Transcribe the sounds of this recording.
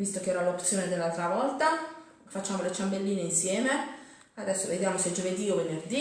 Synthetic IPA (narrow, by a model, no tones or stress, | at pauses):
vist̪okeɛːɾalopt̪sːjoːned̪elːalt̪ɾavɔlt̪a | fat͡ʃːaːmolet͡ʃambelːiːneinsjɛːme | ad̪ɛsːoved̪jaːmosed͡ʒoved̪iovenerd̪i